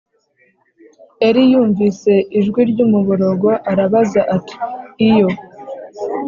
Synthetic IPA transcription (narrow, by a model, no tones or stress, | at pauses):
eɾijuːɱvise̞iʒɡwiɾɟumuβuɾo̞ɡo̞ʔaɾaβazaʔatʰi̥ːjo̞